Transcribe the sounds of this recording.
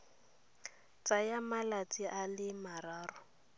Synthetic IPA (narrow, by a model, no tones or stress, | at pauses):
t͡sajamalat͡sʼiʔalɪmaraːrʊ